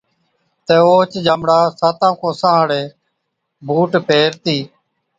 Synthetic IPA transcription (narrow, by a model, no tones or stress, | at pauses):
t̪eːoːt͡ʃd͡ʒaːmɽaːsaːt̪ãːkoːsãːɦɽeː | bʱuːʈpeːɾt̪iː